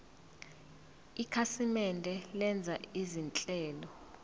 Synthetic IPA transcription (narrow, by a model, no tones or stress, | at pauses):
ikʰasimɛndʱɛlɛnd͡zʱaizint͡ɬʼɛːlɔ